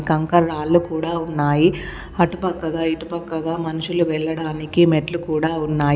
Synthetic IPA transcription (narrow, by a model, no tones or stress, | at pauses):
kɐŋkɐɾaːlːukuːɽaːunːaːji | ɐʈupɐkːɐɡaːiʈupɐkːɐɡaːmɐnuʂuluʋɛɭːɐɽaːnikimɛʈlukuːɽaːunːaːj